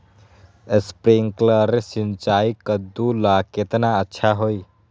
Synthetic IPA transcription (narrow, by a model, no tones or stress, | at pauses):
espɾiŋkləɾsint͡ʃaːikəd̪ːulaket̪naətːʃʰaɦoi